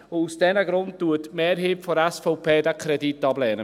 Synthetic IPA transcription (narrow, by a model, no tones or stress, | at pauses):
ʊusd̥ɛnəɡɾʊnttuətmeːɾɦiːpfɔɾæsfɔʊpʰeːdəkʰɾɛditːɑblɛːnə